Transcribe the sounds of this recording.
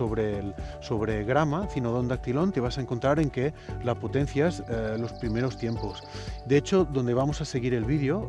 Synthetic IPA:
oβɾelsoβɾeɣɾamaθinoðond̪ak̚t̪ilont̪e̞β̞asaeŋkont̪ɾaɾeŋkelapot̪en̟θjazlo̞spɾimeɾost̪jemposd̪eet͡ʃoðo̞nd̪e̞β̞amosase̞ɣ̞iɾe̞lβiðjo

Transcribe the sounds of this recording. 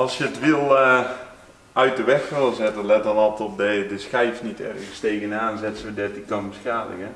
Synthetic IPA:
ɑlˠsjəətʋilˠ | œɥt̚dəʋɛxfəlˠzɛtənlɛtəlˠɔtɔp̚dədəskɛjfnitʰɛ̰rɣəsteːɣənaːnzɛtsʋədɛtikɔnməskaːdə̰kə

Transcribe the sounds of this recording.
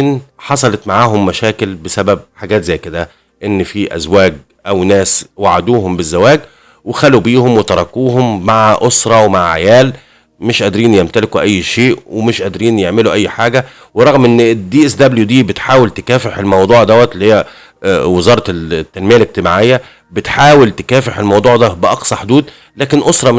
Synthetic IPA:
nħɑsˤɑlet̪maʕaːɦʊmːæʃæːkɪlbɪsæbæb̚ħaɡæːt̪zæjːked̪æ | ʔenːfiʔæ̰zwæːɡ̚ | ʔæwnæːswaʕad̪uːɦʊmbɪzːæwæːɡ | wexælubiːhomwet̪ɑɾˤɑkuːɦomːaʕʔosɾˤɑwemaʕʕa̰jæːl | mɪʃʔæd̪ɾiːnjemt̪ælɪkuʔæjːʃeːʔwʔemɪʃʔæd̪ɾiːnjeʕmɪluʔæjːħaːɡæ | weɾˤɑɣmʔenːd̪iːʔæsd̪æbljud̪iːbɪt̪ħaːwelt̪ekæːfeħelmɑwd̪ˤuːʕd̪æwæt̪lːihejːæ | wezɑːɾˤɑt̪ːænmejælek̚t̪ɪmaʕejːæ | bɪt̪ħaːwelt̪e̥kæːfeħelmɑwd̪ˤuːʕd̪æbɪʔɑqsˤɑħod̪uːd̪ | læːkenʔosɾˤɑ

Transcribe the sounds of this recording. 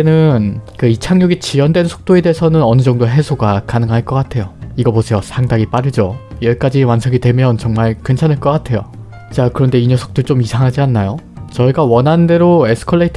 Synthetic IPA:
enɯnkɯit͡ɕʰaŋjoɡit͡ɕiʌndwe̞nsʰo̥k̚t͈oede̞esʰʌnɯnʌnɯd͡ʑʌŋdoɦe̞sʰoɡakanɯŋɦaɭk͈ʌk͈atʰe̞joiɡʌbosʰe̞josʰaŋdaɡip͈aɾɯd͡ʑojeɭk͈ad͡ʑiwansʰʌɡidwe̞mjʌnt͡ɕʌŋmaɭkent͡ɕʰanɯɭk͈ʌk͈atʰe̞jo̰ | t͡ɕakɯɾʌnde̞iɲʌsʰo̥k̚t͈ot͡ɕ͈omisʰaŋɦad͡ʑianːajo | t͡ɕʌiɡawʌnɦande̞ɾoesʰɯ̥kʰʌɭːeitʰ

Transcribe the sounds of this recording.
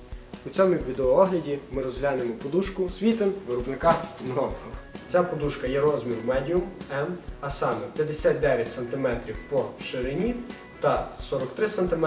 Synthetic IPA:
ut͡sʲɔmʊwʋʲid̪ɔʋɔɔɦlʲɐdʲimɪɾɔzɦlʲanemɔpɔd̪uʃkʊsʲʋʲit̪ɪmʋɪɾɔbnɪkɑmɾɔkɔt͡sʲapɔd̪uʃkɐjɛɾɔzmʲiɾʊmɛdʲijʊmɛmɐsɑmɛpʲjɐd̪esʲat̪̚ʲd̪ɛʋʲjɐtʲsɐnt̪ɪmɛt̪ɾʲiwpɔʃeɾɪnʲi | t̪ɐsɔɾɔkt̪ɾɪsɐnt̪ɪmɛ

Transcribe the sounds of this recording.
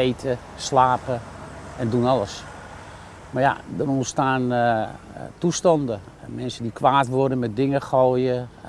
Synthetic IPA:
ejtʰə | slaːpə | ɛndunɔləs | marja̰dərustaːn | tustɔndə | mɛnsədikʋaːtʋʊrdəmɛt̚dɪŋəxojə

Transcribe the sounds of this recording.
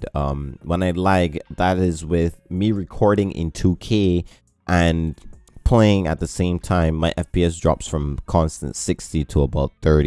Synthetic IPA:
ʌ̃mwə̃naɪlaɪkðəɾɪzwɪðmiɹɨkʰɔɹɾɪ̃ŋʔɪ̰̃ntʰukʰeɪ | ʔɨ̃n | pʰl̥eɪɪ̃ŋɨ̰t̪̚ðɨsẽɪ̃mtʰãɪ̃mːaɪʔɛfpiɛs̬dɹɑ̰psfɹʌ̃mkʰɑ̃nstɨ̰̃nsɪkstiɾəəbaʊt̪̚θɜ˞ɾ

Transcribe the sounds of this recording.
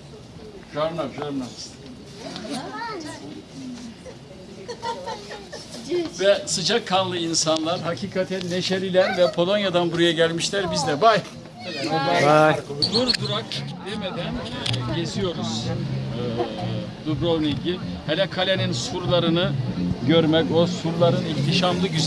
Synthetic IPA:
ʒaɾnapʒaɾnams | vɛsɯd͡ʒakʰːanlˠɯinsanlˠaɾɦacʰiːkʰat̪ʰænːeʃeɾilʲænvɛpʰo̞lˠo̞njad̪anbuɾajaɟælʲmiʃlʲæɾbizd̪ɛbaj | d̪uɾd̪uɾakd̪emed̪ænɟezijo̞ɾuz̥ | d̪ubɾoniɟihenɛkʰalʲeninsuɾlˠaɾɯnɯɟøɾmɛco̞suɾlˠaɾɯnift̪ʰiʃamlˠɯɟyz

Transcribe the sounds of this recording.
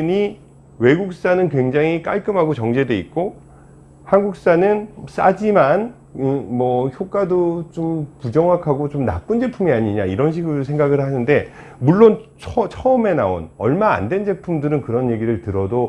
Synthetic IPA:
ɲi | we̞ɡuk̚s͈anɯnkwe̞ŋd͡ʑaŋik͈a̰ɭk͈ɯmɦaɡot͡ɕʌŋd͡ʑe̞deik̚k͈o | hanɡuk̚s͈anɯns͈ad͡ʑiman | mʌçjok͈adot͡ɕompud͡ʑʌŋɦwakʰaɡot͡ɕomna̰p̚p͈und͡ʑe̞pʰumiaɲiɲaiɾʌnɕ̬ʰiɡuɾsʰeŋɡaɡɯɭhanɯnde̞muɭːont͡ɕʰt͡ɕʰʌʌme̞nao̰nʌɭma̰ːndwe̞nd͡ʑe̞pʰumdɯɾɯnkɯɾʌnje̞ɡiɾɯɭtɯɾʌdo

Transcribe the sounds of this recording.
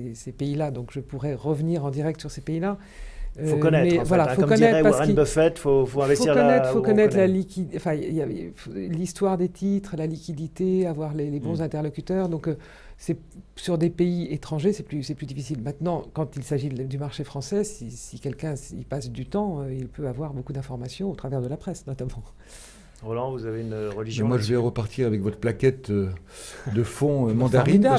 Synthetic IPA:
esepeilad̪ɔ̃kʒəpuʁɛʁəvniʁɑ̃d̪iʁɛkt̪syʁsepeila | øfokɔnɛtmɛvwalafokɔnɛt̪paʁəəfɛt̪fofoɛ̃vɛsfoiʁkɔnɛt̪χfokɔnɛt̪lalikʲid̪ɑ̃fɛ̃jafolist̪waʁd̪et̪ʰit̪χlalikʲid̪it̪eavwaʁlelebɔ̃zɛ̃t̪ɛʁlɔkʲyt̪œʁd̪ɔ̃kø | sɛ | syʁd̪epeiet̪χɑ̃ʒesɛplysɛplyd̪ifisilmɛ̃t̪nɑ̃kɑ̃t̪ilsaʒid̪ymaʁʃefχɑ̃sɛsisikʲɛlkʲɛ̃sḭpasd̪yt̪ɑ̃øilpøavwaʁbokud̪ɛ̃fɔʁmasjɔ̃ot̪χavɛʁd̪əlapχɛsnɔt̪amɑ̃ | ʁɔlɑ̃vuzaveynʁəliʒj̃mwaʒəvɛʁəpaʁt̪ʰiʁavɛkvɔt̪χəplakʲɛt̪ø | d̪əfɔ̃ømɑ̃t̪aʁiina

